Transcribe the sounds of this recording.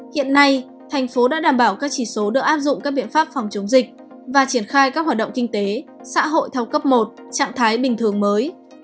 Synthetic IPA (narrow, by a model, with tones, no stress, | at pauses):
hḭ˧˨ənːa˧j | t̪ʰɛ˨˩jŋ̟fo˨˦ɗa̰ː˧˥ɗaː˨˩mɓaː˧˩wkaː˦˥k̚t͡ɕi˧˩so˨˦ɗɨ˨˩ək̚ʔaː˦˥p̚zʊ̰˧˨ŋ͡mkaː˦˥k̚ɓḭ˧˨ənfaː˦˥p̚fa˨˩wŋ͡mt͡ɕə˨˦wŋ͡mzï˨˩k̚ | vaː˨˩t͡ɕi˧˩ənxaː˧jkaː˦˥k̚waː˨˩ɗə̰˧˨ŋ͡mkï˧ŋ̟t̪e˨˦sa̰ː˧˥ɦo̰˧˨jt̪ʰɛ˧wkə˦˥p̚mo˨˩t̚t͡ɕa̰ː˧˨ŋt̪ʰaː˨˦jɓï˨˩ŋ̟t̪ʰɨ˨˩əŋməː˨˦j